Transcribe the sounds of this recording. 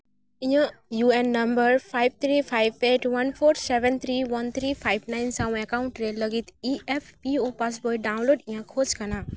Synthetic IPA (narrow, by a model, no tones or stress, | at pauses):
ijãjuenːɐmbəɾpʰajb̚t̪ʰɾipʰajb̚peʈwʌnpʰoɾsebʱɛnt̪ʰɾiwʌnt̪ʰɾipʰajbnajnsaw̃ekawɳʈɾeləɡit̪iepʰpiopas̬bojɖaw̃nloɖĩjãkʰod͡ʒkana